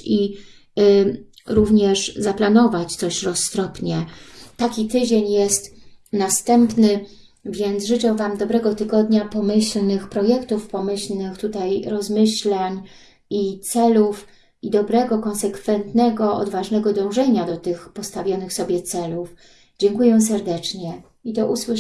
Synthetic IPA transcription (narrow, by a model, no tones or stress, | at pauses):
i | ɾuvɲɛʂzaplanɔvat͡ɕt̪sɔɕɾɔsːt̪ɾɔpɲɛt̪akʲit̪ɘd͡ʑeɲjɛst̪nast̪ɛmpnɘ | vʲjɛnt̪zʐɘt͡ʂɛvamd̪ɔbɾɛɡɔt̪ɘɡɔd̪ɲapɔmɘɕlnɘxpɾɔjɛkt̪ufpɔmɘɕlnɘxt̪ut̪ajɾɔzmɘɕlaɲ | it̪sɛluf | id̪ɔbɾɛɡɔkɔ̃nsɛkfɛnt̪nɛɡɔɔ̰d̪vaʐnɛɡɔd̪ɔ̃w̃ʐɛɲad̪ɔt̪ɘxpɔst̪avʲjɔnɘxsɔbʲjɛt̪sɛluf | d͡ʑɛŋkujɛsɛɾd̪ɛt͡ʂɲɛ | id̪ɔʔuswɘ